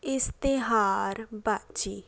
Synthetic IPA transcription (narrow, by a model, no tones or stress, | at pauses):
ɪst̪eɦaːɾbat͡ʃiː